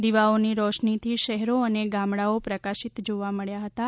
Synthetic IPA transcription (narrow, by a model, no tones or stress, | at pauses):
d̪iʋaoniɾɔʃnit̪ʰiʃɛɦɾoəneɡamɽaopɾəkaʃit̪d͡ʒoʋaməɭjaɦət̪a